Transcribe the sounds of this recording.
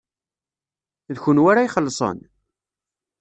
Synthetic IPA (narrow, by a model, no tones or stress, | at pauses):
ðçʊnwaɾajχəlːsˤə̰n